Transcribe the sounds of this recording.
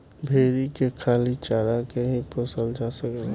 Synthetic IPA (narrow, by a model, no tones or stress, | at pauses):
bʱeːɾikekʰaːlit͡ʃaːɾakeɦiposəld͡ʒasəke